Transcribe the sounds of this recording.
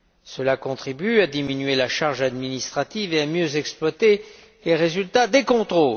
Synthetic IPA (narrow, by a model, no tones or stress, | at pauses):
səlakɔ̃t̪χibyad̪iminɥelaʃaʁʒad̪minist̪χat̪iveamjøzɛksplwat̪e | leʁezylt̪ad̪ekɔ̃t̪χo